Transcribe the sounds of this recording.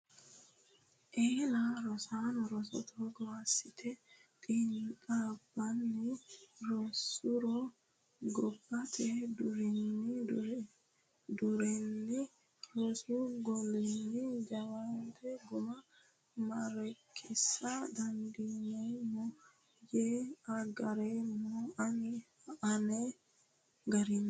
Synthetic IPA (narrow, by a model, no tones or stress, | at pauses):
ʔeːlaɾɔsanɔɾɔsɔ̰t̪ʰɔɡɔwasːɪt̪ʰɛkʼiːnkʼabːɐnːɪɾɔsʊɾɔ | ɡɔbːɐt̪ʰɛd̪ʊɾɪnːɪ | d̪ʊɾɛnːɪ | ɾɔsuɡɔlɛnːid͡ʒɐwant̪ʰɛɡʊmɐ | mɐɾɛkʰːɪsːad̪ɐndinɛmɔ | jeaɡɐɾɛmɔanɪ | anɛ | ɡɐɾinː